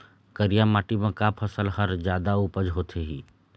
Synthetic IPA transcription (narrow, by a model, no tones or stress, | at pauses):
kəɾijamaːʈimə̃kapʰəsəlhɐɾd͡ʒjaːd̪aupəd͡ʒɦoːt̪ʰeɦiː